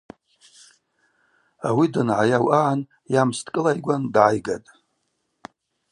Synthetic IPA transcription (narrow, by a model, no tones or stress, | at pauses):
awidanʕajawʔaʕan | jamstʰʼkʼɨlajɡʷandʕajɡatʼ